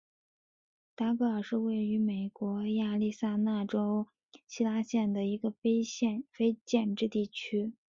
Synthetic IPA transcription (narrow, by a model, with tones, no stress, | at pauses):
t̪a˥kɤ˥˩ə˞˨˩ʂɻ̩˥˧we˥˩ɪy˧˥me˨˩ɪkwɔ˧˥ja˥˧li˥˧sa˥˧na˥˩ʈ͡ʂo˥ʊ | ɕi˥la˥ɕjɛ˥˩nd̪ə˩i˧˥ɡə˧fɪɕɛ˥˧fe˥ɪt͡ɕjɛ˥˧nʈ͡ʂɻ̩˥˧t̪i˥˩t͡ɕʰy˥